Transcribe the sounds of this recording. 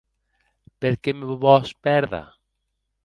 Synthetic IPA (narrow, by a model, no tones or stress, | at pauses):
peɾkemɪββɔspɛɾða̰